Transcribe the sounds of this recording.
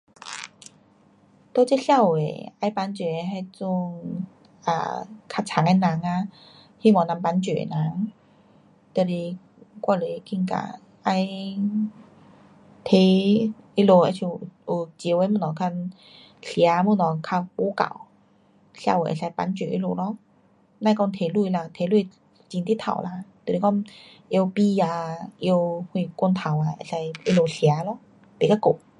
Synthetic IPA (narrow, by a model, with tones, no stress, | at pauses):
t̪o˧˦t͡ɕe˦˥ɬja˧˨wḛ˨a˧˦jpa˧˦nt͡ɕe˨e˧ɦa˧jt͡su˧ŋ | a̰˧˩kʰa˧t͡ɕʰa˨˧˦ŋa˧nã˨˦ŋa˧ | hi˧˨mɔ˨na˧˦mpa˧˦nt͡ɕi˨ḛ˨na˨˦ŋ | t̪e˧˨li˧ | kwa˧˨le˨˦˧ki˧ŋka̰˧˩ | ʔa˧j | t̪ʰe˧˦i˧˥lo˧a˧˦t͡ɕʰi˧˩˨ʔu˨˩t͡ɕi˧˦we˧˦mu˧˩nɔ˨˩kʰa˧n | sja˨˦mu˧˩nɔ˨˩kʰa˧npo˧˦ka̰˨˩˨w | ɕja̰˧o˨˩˨ʔḛ˨˩sa˧jpa̰˧˦nt͡ɕe˨˩ʔḛ˥lo˧˩lɔ˧˥ | nã˥˧˨kɔ˧ŋt̪ʰe˨˧˦lu˧˨la˧t̪ʰe˨˧˦lu˧ | t͡ɕi˧nt̪i˦˥t̪ʰa̰˨˩˨wla˧t̪o˨˩˨e˨˦kɔ˥˩ŋ | ʔje˧wpi˧a˧ʔe˧whwĩ˧˩ku˧nt̪ʰa˨˩wa˧e˧˩sa˧je˦˧lo˧˩sja˨˦lɔ˧˥˦ | pe˨˩ka˧˦ko˨˩